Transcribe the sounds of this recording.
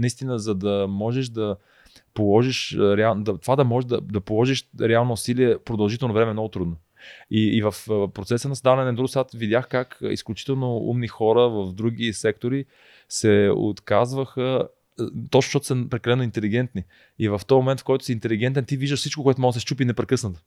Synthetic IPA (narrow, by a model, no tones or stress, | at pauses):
nɐist̪inəzɐd̪ɐmɔʒɛʃd̪ɐ | polˠɔʒiʃɾɛad̪ɐt̪ovad̪ɐmɔʒɛd̪ɐd̪ɐpolˠɔʒiʃɾɛalˠnoːsiliɛpɾod̪ɐlˠʒit̪ɛlˠnovɾɛmɛmnɔɡot̪ɾud̪no | iːvəfpɾot̪sɛsənɐsd̪avɐnɛnd̪ɾuɡsat̪vid̪ʲjaxkakḭsklʲut͡ʃi̥t̪ɛlˠnoṵmnixɔɾəvəfd̪ɾuɡisɛkt̪oɾi | sɛo̰t̪kazvəxə | t̪ɔt͡ʃn̥ʃt̪ɔt̪o̥səpɾɛkɐlɛnoint̪ɛliɡ̟ɛnt̪ni | ivəft̪ɔjmomɛnt̪fkɔjt̪ʊ̥siːnt̪ɛliɡ̟ɛnt̪̬ɛnt̪iviʒd̪əʃfsit͡ʃkokoɛt̪omɔɡ̪sɛst͡ʃupinɛpɾɛkɤsnət̪o